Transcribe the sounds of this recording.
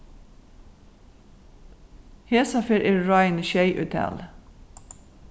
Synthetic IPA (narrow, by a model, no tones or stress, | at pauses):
heːsɑfɪɹʔɪːɹɑɪnʃæɪʔʉ̰t̪ʰɛ̰l